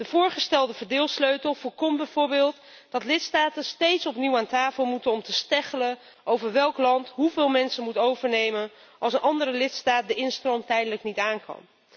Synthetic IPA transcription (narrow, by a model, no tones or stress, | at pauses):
d̥əv̥ʊːɹχəstɛlˠdəvəɹdɪːlˠsløɥtəlˠfɔkɔmbɛjvʊːɹbɪːlˠt | d̥ɑtlɪtstaːtənstejtsɔpniwaːntaːfəlˠmutənɔmtəstɛχələn | owvəɹʋɛlˠklɑntɦuvɪːlˠmɛnsənmutowvəɹnejmən | ʔɑlˠsənʔɑndərəlɪtstaːt̚dəɪnstrɔntɛjdələknitaːnkɑ̰n